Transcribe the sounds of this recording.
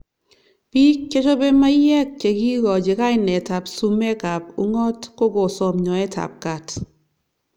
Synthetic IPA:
pi˦kːe˦t͡ʃo˦be˦ma˦jɛ˦k̚t͡ʃe˨ki˦ɡɔ˨d͡ʒe˨ka˦jnɛ˨ta˨psu˦mɛ˦ka˨p̚u˦ŋɔ˦tko˦ɡo˨sɔ˨mɲɔ˨ɛ˦ta̰˨p̚ka˨t

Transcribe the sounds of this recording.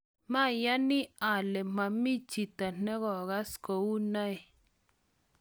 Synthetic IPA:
mã˦˨ja˦nĩ˦a˨le˨m̥ã˧˨mĩ˦t͡ʃi˨t̪a˨n̥ə̃˦ɣɔ˨ɣa˦sko˨u˦nã˦e˨

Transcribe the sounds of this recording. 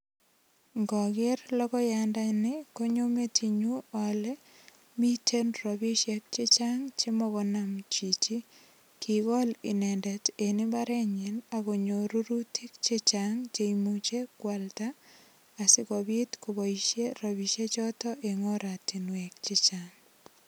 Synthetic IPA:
ŋɡɔ˨ɡɪ˦rlɔ˦kɔ˦jandanɪko˦ɲo˦me˦tiɲuɔlɛ | mi˦tʰe˦nrobi˦ʃjek̚t͡ʃɪ˦t͡ʃaŋt͡ʃe˦mɔ˦ɣɔnamt͡ʃi˨t͡ʃi˦ | kʰiɣɔ˦lɪ̰˨nɛndɛ˨te˨nɪ˦baɾɛ˦ɲɪnaɣo˨ɲo˨ɾu˦ɾutʰi˦k̚t͡ʃɪ˦t͡ʃaŋt͡ʃeimut͡ʃe˦kwaltaː˨ | sɪ˦kɔbi˦tkobɔ˨iʃje˦robi˨ʃe˦t͡ʃɔ˦tɔʔeŋo˦ɾa˨ti˨nwɛk̚t͡ʃɪ˦t͡ʃaŋ

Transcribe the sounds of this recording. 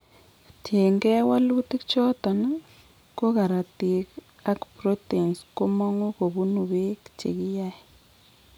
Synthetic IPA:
tje˨ŋɡɛ˦wa˦lu˦tɪ˦kt͡ʃɔ˦ta˨na˦ | ko˦ka˨ɾa˨ti˨k | a˦kpro˦te˨nsko˦mɔ˦ŋu˦ko˨bu˦nu˨βe˦kt͡ʃḛ˨ki˦ja˦

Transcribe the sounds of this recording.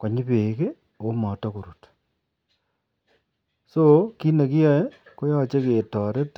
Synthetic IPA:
kwa˨ɲi˦peː˨ke˦ | o˦mɔ˨to˦ko˨ɾu˨t | soki˦ne˨ki˦jɔ˦je˦ | ko˦jɔ˦t͡ʃe˦keː˨tɔ˨ɾe˦t

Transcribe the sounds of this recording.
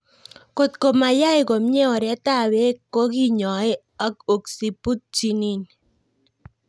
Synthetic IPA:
ko˨t̪ko˨ma˨ja˦ɪ˨ko˨m˦ɛ˦ɔ˨ɾɛ˦ta˦˨we˦kːo˦ki˦ɲɔ˨ɪ˦ | a˦ko˨ksi˨pu˦t̚t͡ʃi˦ni˦˨n

